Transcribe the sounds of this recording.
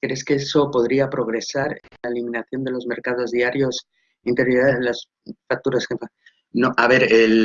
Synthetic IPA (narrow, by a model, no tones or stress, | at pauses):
kɾe̞ske̞eso̞po̞ðɾiapɾo̞ɣ̞ɾe̞saɾlaelimnaθjo̞nd̪e̞lo̞zme̞ɾkaðo̞zðiaɾjo̞s | int̪eɾialas | fak̚t̪uɾaskefa | noʔaβe̞ɾel